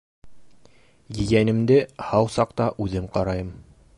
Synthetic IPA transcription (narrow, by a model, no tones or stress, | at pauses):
jɘ̆jænɘ̆md̪ɘhɑwsɑqt̪ɑʔʉðɘmqɑɾɑjɤm